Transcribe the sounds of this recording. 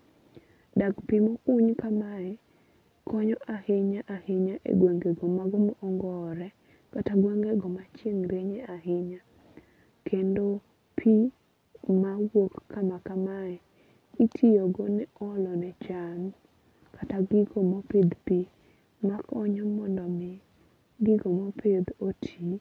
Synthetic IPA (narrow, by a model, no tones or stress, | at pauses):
dakpimɔkʊɲkamaɛ | kɔɲɔʔahɪɲaʔahɪɲaʔḛɡweŋɡeɡɔmaɡɔmɔʔːŋɡɔɾɛ | kataɡweŋɡeɡɔmat͡ʃeŋɾeɲɛaɦɪɲa | kʰendo | pʰi | mawokkːamakamaɛ | itʰioɡonɛɔlɔnɛt͡ʃan | kataɡɪɡomɔped̪pi | makʰɔɲɔmɔndɔmɪ | ɡɪɡomɔpʰed̪otʰi